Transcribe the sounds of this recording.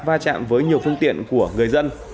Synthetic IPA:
vaː˧t͡ɕa̰ː˧˨mvəː˨˦jɲi˨˩əwfɨ˧əŋt̪ḭ˧˨ənku˧˩əŋɨ˨˩əjzə˧n

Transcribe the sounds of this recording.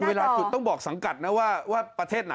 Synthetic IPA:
weː˧laː˧su˨˩t̪ːɔ˥˩ŋbɔː˨˩k̚sa˩˦ŋka˨˩t̪̚na˦˥waː˥˩waː˥˩pɾa˧t̪ʰeː˥˩t̪̚na˨

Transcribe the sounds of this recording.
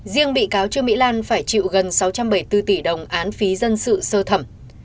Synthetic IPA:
zi˧əŋɓḭ˧˨kaː˨˦wt͡ɕɨ˧əmḭ˧˥laː˧nfaː˧˩jt͡ɕḭ˧˨wɣə˨˩nsa˨˦wt͡ɕa˧mɓə˧˩jt̪ɨ˧t̪i˧˩ɗə˨˩wŋ͡mʔaː˨˦nfi˨˦zə˧nsɨ̰˧˨səː˧t̪ʰə˧˩m

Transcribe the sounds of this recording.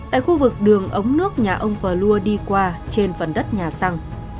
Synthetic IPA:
t̪a̰ː˧˨jxu˧vɨ˨˩k̚ɗɨ˨˩əŋʔə˨˦wŋ͡mnɨ˦˥ək̚ɲaː˨˩ʔə˧wŋ͡mpəː˨˩lu˧əɗi˧kwaː˧t͡ɕe˧nfə˨˩nɗə˦˥t̚ɲaː˨˩sa˧ŋ

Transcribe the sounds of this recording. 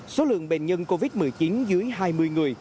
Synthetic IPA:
so˨˦lɨ̰˧˨əŋɓe˨˩nɲə˧nko˧vi˦˥t̚mɨ˨˩əjt͡ɕi˨˦nzɨ˨˦əjɦaː˧jmɨ˧əjŋɨ˨˩əj

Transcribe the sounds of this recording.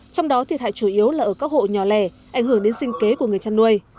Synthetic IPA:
t͡ɕɔ˧wŋ͡mɗɔ˨˦t̪ʰi˨˩t̚ha̰ː˧˨jt͡ɕu˧˩ʔi˨˦əwlaː˨˩ʔəː˧˩kaː˦˥k̚ho̰˧˨ɲɔ˨˩lɛ˧˩ʔa˧˩jŋ̟ɦɨ˧˩əŋɗe˨˦nsï˧ŋ̟ke˨˦ku˧˩əŋɨ˨˩əjt͡ɕaː˧nːu˧əj

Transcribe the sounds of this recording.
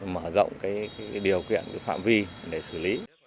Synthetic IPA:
məː˧˩zə̰˧˨wŋ͡mkaː˨˦jkaː˨˦jɗi˨˩əwkḭ˧˨ənkaː˨˦jfa̰ː˧˨mvi˧ɗe˧˩sɨ˧˩li˨˦

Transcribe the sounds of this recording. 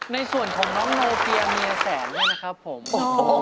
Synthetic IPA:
na˧jsu˨˩ənkʰɔː˩˦ŋnɔ˦˥mnoː˧pi˧a˧miː˧a˧sɛː˩˦ndu˥˩jna˦˥kʰɾa˦˥pʰːo˩˦m

